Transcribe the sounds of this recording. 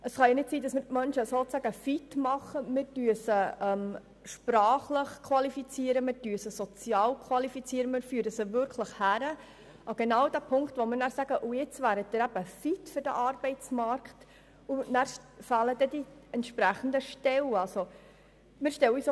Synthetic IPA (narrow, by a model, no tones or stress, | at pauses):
əsχɑjɑnɪtsiːdɑsmɪɾtmœnʃəsot͡sæɡəfitmɑχəmɪɾtyəsəɛm | ʃprɑːχləχkʰwʋɑlifit͡siəɾəmɪɾtyːəsəsot͡sjɑːlkʰwɑlifit͡siəɾəmɪɾfyəɾəsəvʏɾkʰləχhæɾə | ɑɡ̥enɑwd̥æːpʰʊŋkt̪ʋɔmɪɾnæːɾsæɡəʔujɪt͡svæːɾətt̪ɪɾæb̥əfit̪fʏɾdə̰ʔɑrb̥ɛɪt͡smɑrkχt | unæːɾfɑːləd̥̪ɛd̥iɛntʃpɾæχən̩dəʃtɛwɑlso | mɪɾʃtɛwis